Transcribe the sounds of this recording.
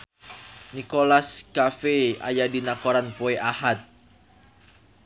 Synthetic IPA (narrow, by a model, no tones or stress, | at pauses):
nikolaskafea̰jadinakoɾanpoeʔahat̪̚